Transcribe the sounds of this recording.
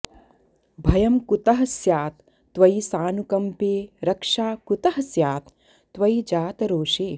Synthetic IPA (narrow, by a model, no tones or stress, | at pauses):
bʱɐjɐmkut̪ɐɦɐsjaːt̪ː | ʋɐjsaːnukɐmpeːɾɐkʂaːkut̪ɐɦɐsjaːt̪ː | ʋɐjd͡ʒaːt̪ɐɾoːʃeː